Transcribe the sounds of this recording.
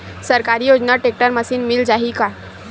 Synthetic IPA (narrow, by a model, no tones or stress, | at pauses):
səɾkaɾijod͡ʑnaʈek̚ʈəɾməsiːnmild͡ʒaɦika